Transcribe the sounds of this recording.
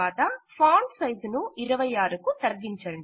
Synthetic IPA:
aːt̪ɐpʰaːɳɖsɐjd͡ʒnuiɾɐʋɐjaːɾukut̪ɐɾɡ̪iɲt͡ʃɐɳɖ

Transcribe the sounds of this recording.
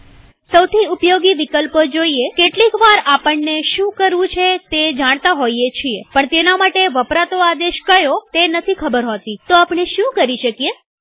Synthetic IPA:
səwt̪ʰiʊpjoɡiʋikəlpəd͡ʒoiekeʈlikʋaɾapəɳneʃũkəɾʋũt͡ʃʰet̪ed͡ʒaɽ̃t̪aɦoiet͡ʃʰiepəɳt̪enamaʈeʋəpɾat̪oad̪eʃkəjot̪enət̪ʰikʰəbəɾɦot̪it̪oapɳeʃũkəɾiʃəkije

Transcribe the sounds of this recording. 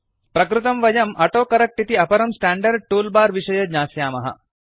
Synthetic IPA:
pɾɐkɾut̪ɐmʋɐjɐmʔɐʈoːkɐɾɐk̚ʈit̪iɐpɐɾɐmsʈaːɳɖɐɾɖ̚ʈuːlbaːɾʋiʂɐjɐd̪ɲaːsjaːmɐɦɐ̰

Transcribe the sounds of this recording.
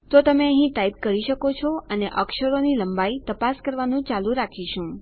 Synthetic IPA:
t̪ot̪əmeəɦĩʈaip̚kəɾiʃəkot͡ʃʰɔəneʔɔkʃəɾoniləmbait̪əpaskəɾʋanũt͡ʃalũɾakʰiʃũ

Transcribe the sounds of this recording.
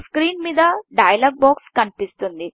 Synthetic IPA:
skɾiːnmiːd̪ɐɖɐjɐlaːɡ̚baːkskɐnipist̪und̪i

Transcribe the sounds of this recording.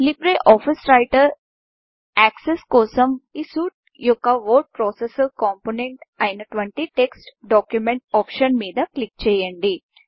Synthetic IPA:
lipɾeʔɔːfisɾaɪʈəɾ | æːkseskoːsɐmisuːʈ̚ | jokaʋoːʈ̚pɾɔːsesəɾkɔːmponẽɳʈaɪnʈʋeɳʈiʈeksʈɖɔːkjumẽɳʈ̚ɔːpʃənmeːd̪aklik̚t͡ʃejɐɳɖi

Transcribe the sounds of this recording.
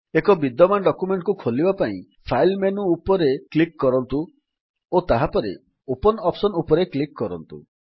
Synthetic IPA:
ekɔbid̪ɔmanɖɔkumeɳʈkukʰolibapaḭ̃ | pʰailmenuːpɔɾeklikːɔɾɔnt̪u | ot̪aɦapɔɾḛ | opɔnɔpsɔnupɔɾeklikːɔɾɔ̰nt̪ṵ

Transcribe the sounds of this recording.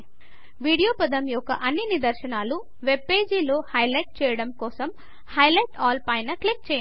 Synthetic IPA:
ʋiːɽijoːpɐd̪ɐmjɔkːɐ̰ʔɐnːinid̪ɐɾʃɐnaːlu | ʋeb̚pe̞ːd͡ʒiloːhɐjlɐjʈ̚t͡ʃɛːjɐɽɐmkɔːsɐm | hɐjlɐjʈaːlpɐjnɐklik̚t͡ʃɛːjɐ

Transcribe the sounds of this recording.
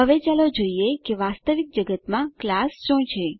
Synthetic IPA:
ɦəʋet͡ʃalod͡ʒoiekeʋast̪əʋik̚d͡ʒəɡət̪mãklasʃõt͡ʃʰe

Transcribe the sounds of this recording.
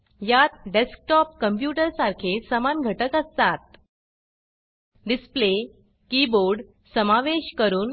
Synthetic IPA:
jat̪̚ɖesk̚ʈɔp̚kəmp̬juʈəɾsaɾkʰesəmanɡʱəʈəkəst̪at̪̚ | ɖisple | kiboɾɖ | səmaʋeɕkəɾuːn

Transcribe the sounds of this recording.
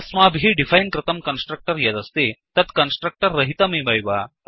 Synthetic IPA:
smaːbʱɦiɖifʰɐjnkɾɪt̪ɐmkɐnsʈɾɐk̚ʈɐɾjɐd̪ɐst̪it̪ɐt̪kɐnsʈɾɐk̚ʈɐɾːɐɦit̪ɐmibɐjʋa

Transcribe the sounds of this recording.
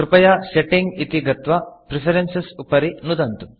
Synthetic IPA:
ɾupɐjaseʈiŋɡit̪iɡɐt̪ʋɐpɾipʰɐɾensesupɐɾinud̪ɐnt̪u

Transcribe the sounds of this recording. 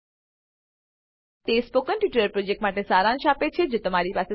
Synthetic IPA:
t̪espokənʈiʈəɾəɾpɾod͡ʒek̚ʈmaʈesaɾãnʃapet͡ʃʰed͡ʒot̪əmaɾipase

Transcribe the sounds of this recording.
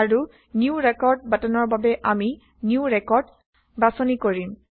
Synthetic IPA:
aɹu | niuɹɛkɔɹd̚batɔnɔɹbabɛʔami | njuɹɛkɔɹd | basɔnikoɹim

